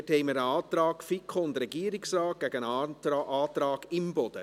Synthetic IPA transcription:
thɛɪməɾəɑːt̪ɾɑːkfikʰoʊndrɛɡiəɾɪksrɑːt̚ɡ̥æɡ̥ənɑʔɑːt̪ɾɑːɡɪmbɔd̥̪ə̰

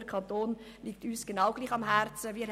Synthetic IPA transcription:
əkʰɑnt̪oːn | liːk̚tyːsɡ̥enaʊɡ̥liːχɑmɦɛɾt͡səviːɾ

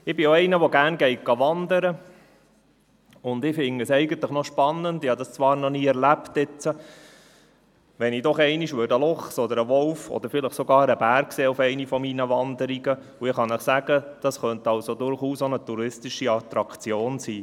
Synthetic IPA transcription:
ɪbɪjoɛɪnəʋɔɡæːɾnɡɛɪt̚ɡ̥ɑʋɑnd̪əɾə | ʊnd̪ɪfɪŋəsɛɪɡənt̪ləχnɔʃpɑnːənd̪ɪhɑd̪ɑst͡sʋɑːɾnɔniːɛɾlæpt̪ɪt͡sə | ʋɛnidɔχɛɪniʃʋøɾdəlɔχsɔd̪əɾəʋɔlfɔ̰d̪əɾfɪləχsoɡɑːɾəbæɾkkseːufɛɪnifɔminəʋɑnd̪əɾiɡə | uɪχɑnəχsæɡəd̥ɑsχœnt̪ɑlsod̪ʊɾχuːsonətuɾɪstiʃiɑt̪ɾɑkt͡sjoːnsiː

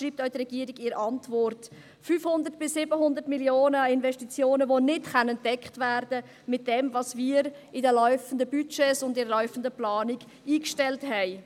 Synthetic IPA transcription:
ʃɾiːp̚tœʏdrɛɡiəɾiɡɪɾʔɑntvɔɾt | fyːfhʊndəɾtb̥ɪsːɪbəɦʊndəɾtmiljoːnəɪnvɛʃtit͡sjoːnəvonɪtχanɛntːɛkχtvɛːɾdə | mɪt̚d̥ɛmvɑsmiːɾɪdəlœʏfəndəbyt͡ʃesʊndɪɾəlœʏfən̩dəplɑːniɡ | iːkʃtɛlthɛɪ

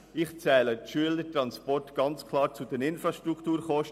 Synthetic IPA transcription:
ɪχt͡sɛːləʃyːələtɾɑnspɔɾtɡ̥ɑnt͡skʰlɑːɾt͡sud̥ɛnɪnfɾɑʃtɾukʰtuːɾχɔʃt

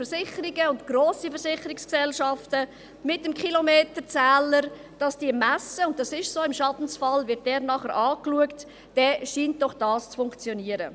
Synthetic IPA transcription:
fəɾsɪχəɾiɡəʊntɡ̥roːsifəɾsɪχəɾɪksksɛlʃɑftə | mɪtəmkχilomeːtət͡sæːləɾ | d̥ɑsd̥iəmæsəʊnt̚dɑsɪʃsoːɪmʃɑtn̩sfɑlvɪt̚d̥ɛːɾnɑχəɾʔɑːkluəkt | d̥ɛʃiːnt̚d̥ɔχd̥ɑːst͡sfʊŋkt͡sjɔniəɾə

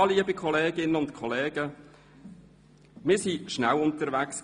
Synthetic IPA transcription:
liəbikʰχɔleːɡɪnəʊntkʰɔleːɡ̥ə | mɪːsiʃnælʊntəɾʋæks

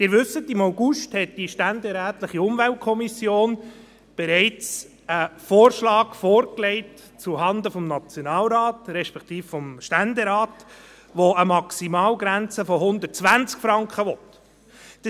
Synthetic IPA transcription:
d̥ɪːɾʋʏsətimaʊɡuʃthɛt̚d̥iʃtænd̪ɛɾæːtləχiʊmvælt̚kʰɔmisjoːn | b̥ɛɾɛɪt͡s | əfoːɾʃlɑːɡfoːɾklɛɪt | t͡suɦɑnd̪əfɔmnɑt͡sjonɑːlɾɑːtɾɛʃpɛkt̪iːffɔmʃtænd̪ɛɾɑːt | ʋoəmɑksimɑːlɡɾænt͡səfɔɦʊnd̪ət̚t͡sʋænt͡skfɾɑŋkχəʋɔt̪ | d̥

